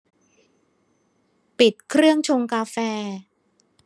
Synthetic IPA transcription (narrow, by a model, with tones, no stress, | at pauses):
pi˨˩t̪̚kʰɾɯ˥˩əŋt͡ɕʰo˧ŋkaː˧fɛː˧